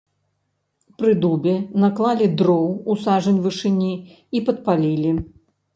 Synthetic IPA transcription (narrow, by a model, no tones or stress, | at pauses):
pɾɨd̪ubʲɛnaklˠalʲid̪ɾɔwusaʐɐnʲvɨʂɨnʲi | ipɐt̪̚palʲilʲi